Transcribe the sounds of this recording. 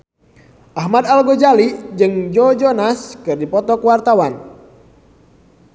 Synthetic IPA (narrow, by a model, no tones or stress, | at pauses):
ʔaɦmad̪alɡɔd͡ʒalid͡ʒɨŋd͡ʒɔd͡ʒɔnaskɨrdipɔt̪ɔkwart̪awan